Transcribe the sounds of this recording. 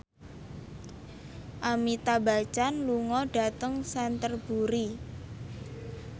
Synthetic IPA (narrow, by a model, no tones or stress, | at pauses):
ʔamit̪abat͡ʃanluŋɔɖ̥a̤t̪əŋsɛnt̪ərb̥uɾi